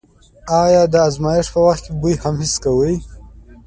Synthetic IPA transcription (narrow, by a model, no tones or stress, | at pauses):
ɑjɑːd̪əazmɑjɪʂpəwaxt̪̚kebujhamhɪskawəj